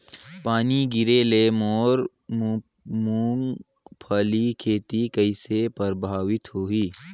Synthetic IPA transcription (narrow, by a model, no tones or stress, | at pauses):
paːniɡɪɾelemoːɾmu | muŋpʰəːlikʰeːt̪ikəɪsepəɾbʱaːʋɪt̪hoːiː